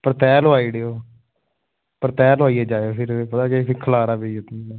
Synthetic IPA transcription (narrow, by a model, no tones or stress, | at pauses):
pəɾt̪ɛːloːaːiːɽeoː | pəɾt̪ɛːloaːiɛːd͡ʒaːeoːfɪɾepət̪aːkesikʰəlaːɾaːbeiʊt̪niɛ